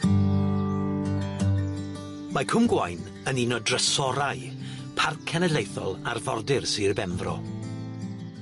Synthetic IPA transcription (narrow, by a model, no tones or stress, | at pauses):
makʰʊmɡwajn | əninɔdrəsɔɾaj | pʰarkʰɛnɛlejθɔlˠarvɔ̰rdɪrsirbɛnðrɔ̰